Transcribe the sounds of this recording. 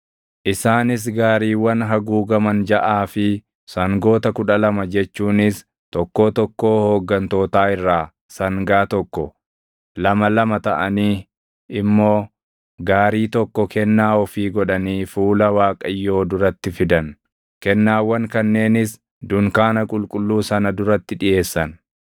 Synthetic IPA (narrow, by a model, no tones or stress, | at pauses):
ʔɪsaːnɪs̬ɡaːɾiːwːɐnɦɐɡuːɡɐmɐnd͡ʒɐʔaːfɪ | sɐŋɡo̞ːt̪ɐkʊᶑɐlɐmɐd͡ʒɛt͡ʃːuːnɪs | t̪ɔkːo̞ːt̪ɔkːo̞ːhoːɡːɐnt̪o̞ːt̪aːɪrːaː | sɐŋɡaːt̪ɔkːɔ | lɐmɐlɐmɐt̪ɐʔɐniː | ɪmːoː | ɡaːɾiːt̪ɔkːɔkʰɛnːaːɔfiːɡɔᶑɐniːfuːlɐwaːkʼɐjːo̞ːd̪ʊɾɐt̪ːɪfɪd̪ɐn | kɛnːaːwːɐŋkɐnːe̞ːnɪs | d̪ʊŋkaːnɐkʼʊlkʼʊlːuːsɐnɐd̪ʊɾɐt̪ːɪᶑɪje̞ːsːɐn